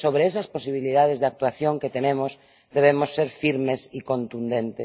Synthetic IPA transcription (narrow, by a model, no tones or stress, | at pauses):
soβɾeɛsɐsposiβ̞iliðað̞ezðak̚t̪waθjoŋket̪enẽmos | d̪eβ̞emosːeɾfiɾmesikõnt̪und̪ẽnt̪e